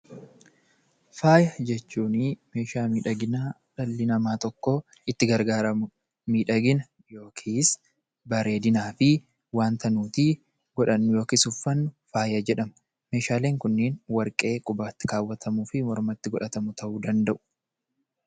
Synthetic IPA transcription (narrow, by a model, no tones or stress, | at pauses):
faːjɐd͡ʒɛt͡ʃːuːnime̞ːʃaːmiːᶑɐɡɪnaː | ᶑɐlːɪnɐmaːt̪ɔkːoː | ɪt̪ːɪɡɐɾɡaːɾɐmʊ | miːᶑɐɡɪnɐ | jo̞ːkʰiːs | bɐɾe̞ːd̪ɪnaːfɪ | waːnt̪ɐnuːt̪i | ɡɔᶑɐnːʊjoːkiːsʊfːɐnːʊfaːjɐd͡ʒɛᶑɐmɐ̥ | me̞ːʃaːleːŋkʊnːɪːnwɐɾkʼe̞ːkʼʊbaːt̪ːɪ̥kaːwːɐt̪ʰɐmuːfɪmɔɾmɐt̪ːɪɡɔᶑɐt̪ɐmʊt̪ʰɐʔuːd̪ɐnd̪ɐʔʊ̥